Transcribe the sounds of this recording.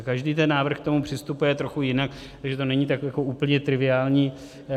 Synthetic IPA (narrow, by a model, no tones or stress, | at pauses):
kaʒdiːt̪ɛnːaːvr̩xkt̪o̞mupr̝̥ɪst̪upujɛt̪ɾoxujɪnak | t̪aɡʒɛt̪o̞nɛɲiːt̪akjakoʔuːpl̩ɲɛt̪ɾɪvɪaːlɲiː